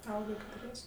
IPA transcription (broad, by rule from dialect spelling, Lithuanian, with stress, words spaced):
ˈɐʊɡɐ kʲɛtʊˈrʲiɛsʲ